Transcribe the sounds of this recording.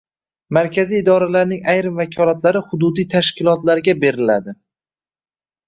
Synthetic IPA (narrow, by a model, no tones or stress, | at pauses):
maɾkʲʰazijːd̪ɒɾalaɾnɪŋajɾɪmvakʲʰɒlˠat̪laɾɪhʊd̪ʊd̪ijt̪ʰaʃkʲʰɪlˠɒt̪laɾɡʲabe̞ɾɪlad̪ɪ